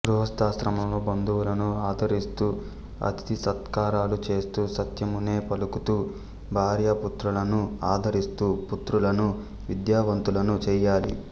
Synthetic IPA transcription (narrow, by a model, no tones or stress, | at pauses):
ɡɾuɦɐst̪aːsɾɐmɐmloːbɐnd̪ʱuwulɐnuaːd̪ʱɐɾist̪uː | ɐ̰t̪i̥t̪isɐt̪kaːɾaːlut͡ʃe̞ːst̪uːsɐt̪jɐmune̞ːpɐlukut̪uː | bʱaːɾjɐput̪ɾulɐnuaːd̪ʱɐɾist̪uːput̪ɾulɐnu | ʋid̪jaːʋɐnt̪ulɐnut͡ʃɛːjaːlḭ